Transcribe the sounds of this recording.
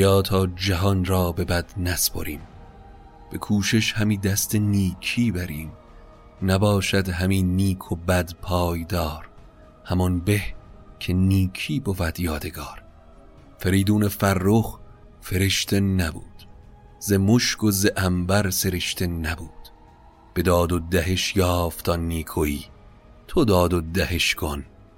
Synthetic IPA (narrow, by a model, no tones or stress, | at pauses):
jɒːt̪ʰɒːd͡ʒæɦɒnɾɒːbe̞bæd̪̥næspʰo̰ɾʔiːm | b̥e̞kʰuːʃeʃhæmiːd̪æst̪ʰeniːcʰiːbæɾiːm | næbɒːʃæd̪ɦæmiːniːkʰobæd̪pʰɒːjd̪ɒːɾ | hæmɒnbe̞hcʰe̞niːkʰiːbofæd̪̥jɒːd̪e̞ɡɒːɾ | feɾiːd̪uːnefæɾːox | fe̞ɾeʃt̪ʰenæbuːd̪̥ | zemoʃkozeʔæmbæɾse̞ɾeʃt̪ʰenæbuːd̪̥ | b̥e̞d̪ɒːd̪od̪æɦeʃjɒːft̪ʰɒːniːkʰoiː | t̪ʰod̪ɒːd̪od̪æheʃkʰon